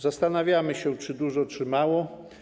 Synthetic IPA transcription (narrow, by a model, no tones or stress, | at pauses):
zast̪anavʲjamɘɕɛt͡ʂɘd̪uʐɔt͡ʂɘmawɔ